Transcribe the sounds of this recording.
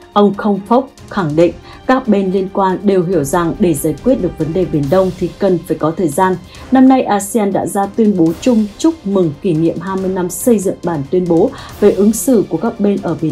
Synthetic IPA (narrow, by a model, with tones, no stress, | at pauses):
ʔə˧wŋ͡mxə˧wŋ͡mfə˦˥k͡p̚ | xa˧˩ŋɗḭ˧˨ŋ̟ | kaː˦˥k̚ɓe˧nli˧ənkwaː˧nɗe˨˩wɦi˧˩əwza˨˩ŋɗe˧˩zaː˧˩jkwi˦˥ət̚ɗɨ˨˩ək̚və˨˦nɗe˨˩ɓi˨˩ənɗə˧wŋ͡mt̪ʰi˨˩kə˨˩nfaː˧˩jkɔ˨˦t̪ʰəː˨˩jzaː˧n | na˧mna˧jʔaː˧si˧aː˧nɗa̰ː˧˥zaː˧t̪wi˧ənɓo˨˦t͡ɕʊ˧ŋ͡mt͡ɕʊ˦˥k͡p̚mɨ˨˩ŋki˧˩ŋḭ˧˨əmɦaː˧jmɨ˧əjna˧msə˧jzɨ̰˧˨ŋɓaː˧˩nt̪wi˧ənɓo˨˦ve˨˩ʔɨ˨˦ŋsɨ̰˧˩ku˧˩əkaː˦˥k̚ɓe˧nʔəː˧˩ɓi˧˩˨